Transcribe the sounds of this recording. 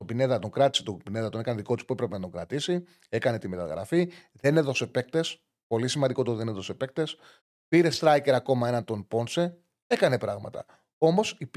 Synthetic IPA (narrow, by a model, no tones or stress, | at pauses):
obine̞ðɐt̪oŋkɾɐt̪i̥set̪obine̞ðɐt̪o̞ne̞kɐneðikot̪uspue̞pɾe̞penɐt̪o̞ŋɡɾɐt̪isi | e̞kɐne̞t̪ime̞t̪ɐ̰ɣɾɐ̰fi | ðe̞ne̞ðo̞se̞pe̞k̚t̪e̞s | po̞lisimɐnd̪iko̞t̪oðe̞neðo̞se̞pe̞k̚t̪e̞s | piɾe̞st̪ɾɐjce̞ɾɐko̞mɐe̞nɐnt̪o̞npo̞nse̞ | e̞kɐne̞pɾɐɣmɐ̰t̪ɐ̰ | o̞mo̞sip